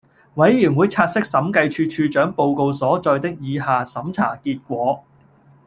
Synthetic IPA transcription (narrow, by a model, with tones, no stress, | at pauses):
wɐ˨˥jːyː˨˩ŋwuː˨˧jt͡sʰaː˧t̚sɪ˥k̚sɐ˨˥mkɐ˧jt͡ʃʰyː˧t͡ʃʰyː˧t͡ʃœː˨˥ŋpo˨˧wko˧wsɔː˨˥t͡ʃɔː˧jt̪ɪ˥k̚jiː˨˧ɦaː˨˧sɐ˨˥mt͡sʰa̰ː˨˩kiː˧t̚kʷɔː˨˥